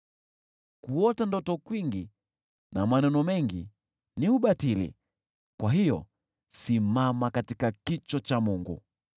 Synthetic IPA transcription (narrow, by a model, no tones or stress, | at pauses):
kuɔtandɔtɔkwiŋɡi | namanɛnɔmɛŋɡi | niuɓatilḭ | kwaɦijɔ̰ | simamakatikakit͡ʃɔt͡ʃamuŋɡṵ